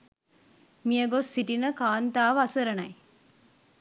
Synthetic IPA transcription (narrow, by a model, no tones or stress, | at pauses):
miəɡosːiʈinəkaːnt̪aːʋɐsɐɾɐnɐj